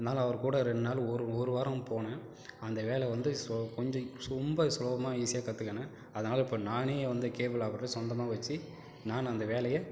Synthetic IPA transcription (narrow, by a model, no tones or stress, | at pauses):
ɐnaːlɐɐʋɐɾkuːɽɐɾɛnːaːlɔɾɯɔɾɯʋɐɾɐ̃poːnɐ̃ | ɐnd̪ɐʋeːlɛʋɐnd̪ɯkɔɲd͡ʒɔ̃sʊmbɐsloːʋɐmaːiːsɪjaːkɐt̪ːɯkːɐnɐ | ɐðɐnaːlɐɪpːoːnaːneːʋɐnd̪ɯkeːʋɪlaʋɐɾʈːɯsɔnd̪ɐmaːʋɐt͡ʃːi | naːnɐnd̪ɐʋeːlɐjɐ